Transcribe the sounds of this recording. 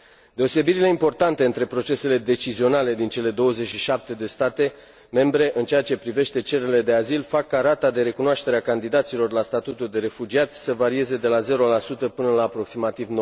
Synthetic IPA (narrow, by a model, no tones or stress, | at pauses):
d̪e̞o̞se̞biɾile̞impo̞rt̪ant̪e̞ɨnt̪ɾe̞pɾo̞t͡ʃe̞se̞le̞d̪e̞t͡ʃizio̞nale̞d̪int͡ʃe̞le̞d̪o̞wəze̞t͡ʃʲʃiʃap̚t̪e̞d̪e̞st̪at̪e̞ | me̞mbɾe̞ʔɨnt͡ʃeat͡ʃe̞pɾive̞ʃt̪e̞t͡ʃe̞ɾe̞le̞d̪e̞azilfakːaɾat̪ad̪e̞ɾe̞kunoaʃt̪e̞ɾeakand̪id̪at̪silo̞rlast̪at̪ut̪uld̪e̞ɾe̞fud͡ʒiat̪sʲsəvaɾie̞ze̞d̪e̞laze̞ɾo̞lasut̪əpɨnəlaːpɾo̞ksimat̪ivno